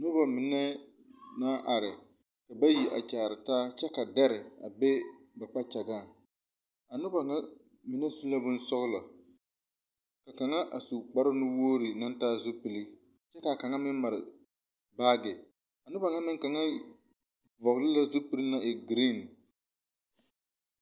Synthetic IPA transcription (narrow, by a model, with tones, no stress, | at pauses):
nʊ˦ba˨mɪ˨nɛ˦ | naː˦ʔa˨ɾɪ˨ | ka˨ba˦ji˨ʔa̰˨t͡ʃaː˨ɾɪ˨taː˦t͡ʃɛ˦ka˨da˦ɾɪ˨a̰˨be˦ba˨k͡pa˦t͡ʃa˨ɡaː˦˨ | a˨nʊ˦ba˨ŋa˦ | mɪ˨˦nɛ˦su˦la˦bʊ˦n˦sʊ˦ɣʊ˦lɔ˨ | ka˨ka˨ŋa˦ʔa˨su˨k͡pa˦ɾɪ˦nʊ˦woː˦ɾi˨na˦ntaː˦zʊ˦pi˨li˦ | t͡ʃɛ˦ka˨ka˨ŋa˦mɪ˦nma˨ɾɪ̰˨ | baː˦ɡɪ˨ | a˨nʊ˦ba˨ŋa˦mɪ˦ŋka˨ŋa˦ | vɔ˨ɣlɪ˦la˦zʊ˦pi˨li˦na˦ʔe˨ɡɾi˦˨n